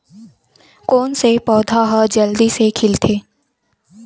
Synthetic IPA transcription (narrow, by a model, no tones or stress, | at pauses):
koːnsepɔːd̪ʱaɦəd͡ʒəld̪isekʰɪlt̪ʰeː